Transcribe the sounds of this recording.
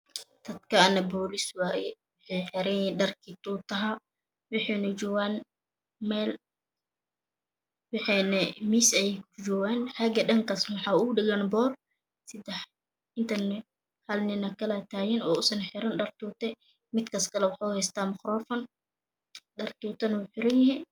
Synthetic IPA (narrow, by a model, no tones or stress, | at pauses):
d̪̥ɐd̪kʰɐɐnɐbɔːlɪswaːjɛwʊħɛjħɛɾɛɖɐrkʰit̪uːt̪ɐɦɐ | wɑħɛːnɐt͡ʃɔːwaːn | mɛːl | wɑħɛnɛmiːsɛjɛkʊd͡ʒɔːɣaːnħɑɡɐɗɐŋkʰasnwɑħɑːʊɖɪɣɐnbɔːr | sɪd̪ɛħ | ɪnt̪ʰɐn | hɐlnɪnɐkʰɐlat̪ʰaːjɪnɔːʊsɐnħɪɾɪnɖɐrt̪uːt̪ɛ | mɪd̪kʰɐskʰɐlɛwɑħɑːhɛjst̪ʰaːmɐxrɔːfɐn | ɖɐrt̪uːt̪ʰɐnwʊħɪɾɐnjɪhi